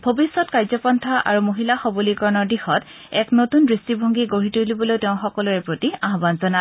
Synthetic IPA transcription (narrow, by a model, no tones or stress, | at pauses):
bʱobisːɔtkaɹzɔpɔntʰaʔa̰ɹumoɦilaxɔbulikɔɹɔnɔɹdixɔt | ɛknotundɹistibʱoŋɡiɡoɹitulibɔlojteʊ̃xɔkɔlɔɹɛpɹotiaɦɔbanzɔna